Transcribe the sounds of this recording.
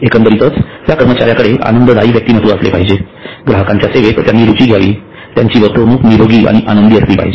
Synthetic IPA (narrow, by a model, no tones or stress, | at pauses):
ekənt̪əɾit̪ət͡st̪jakəɾmət͡ɕaɾjakəɽeʔa̰nənd̪əd̪ʱaiːʋjək̚t̪iːnət̪ũːaslḛpaɦid͡ʑe | ɡɾaɦəkãɲt͡ɕjaseʋet̪t̪janːiːɾut͡ɕiːɡʱjaʋḭː | t̪jaɲt͡ɕiːʋət̪ənuːkniɾoɡiːʔa̰ɽ̃iʔanənd̪iəsliːpa̰ɦid͡ʑe